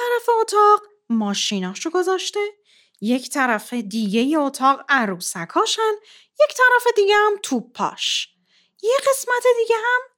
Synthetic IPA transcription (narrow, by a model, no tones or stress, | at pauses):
æɾæfe̞ot̪ʰɒːɢ | mɒːʃinɒːʃoɡo̞zɒːʃt̪e̞ | je̞cʰt̪ʰæɾæfe̞d̪iːɟe̞jeot̪ʰɒːɣæɾuːsækʰɒːʃæn | je̞ct̪ʰæɾæfe̞d̪iɟehæmt̪ʰuːbʰɒ̰ːʃ | jeɢe̞smæt̪ʰe̞d̪iɟeɦæm